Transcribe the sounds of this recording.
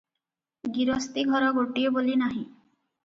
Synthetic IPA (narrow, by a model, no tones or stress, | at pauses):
ɡiɾɔst̪iɡʱɔɾɔɡoʈiobolinaɦĩ